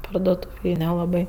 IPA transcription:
pɐrduɔˈtuːʋʲeːj nʲɛlˠɐˈbɐɪ

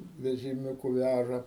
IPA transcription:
ʋʲɛʒʲɪˈmʲuːkʊ ˈʋʲæʒɐ

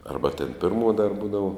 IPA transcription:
ˈɐrbɐ tʲeːn ˈpʲɪrmuɔ dɐr ˈbuːdɐʋoː

